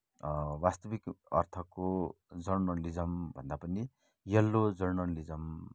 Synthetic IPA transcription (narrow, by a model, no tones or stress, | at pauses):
wast̪ʌbikʌ̰rt̪ʰʌko | d͡zʌrnʌlid͡zʌmbʱʌnd̪apʌni | jʌlːod͡zʌrnʌlid͡zʌm